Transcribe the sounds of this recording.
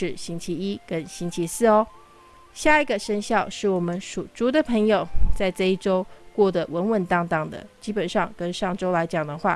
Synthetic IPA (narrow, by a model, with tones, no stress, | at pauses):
ʂɻ̩˥˩ɕi˥nt͡ɕʰi˧˥i˥kə˦˥nɕi˥nt͡ɕʰi˧˥sɹ̩˥˩ɔ˧˦ | ɕja˥˩i˧˥ɡə˨ʂə˥nɕjɑ˥˩ʊʂɻ̩˥˩wɔ˨˩mə˧˦nʂu˨˩ʈ͡ʂu˧˥d̪ə˨pʰɤ˧˥ŋjo˨˩ʊt͡sa˥˧ɪt͡sɤ˥˧i˥˩ʈ͡ʂo˥ʊkwɔ˥˩d̪ə˨wə˧˥nwə˨˩nt̪ɑ˥ŋt̪ɑ˥˩ŋd̪ə̰˩t͡ɕi˥pə˨˩nʂɑ˥˩ŋkə˥nʂɑ˥˩ŋʈ͡ʂo˥ʊla˧˥ɪt͡ɕjɑ˨˩ŋd̪ə˦xwa̰˥˩